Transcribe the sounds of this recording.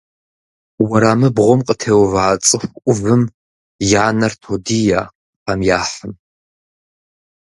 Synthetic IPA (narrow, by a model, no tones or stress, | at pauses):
wɐɾaːmɨbʁʷɔmqʼətʰeːwvaːt͡sʼɨxʷʔʷʊvɨm | jaːnɐrtʰodijaː | qamjaːħəm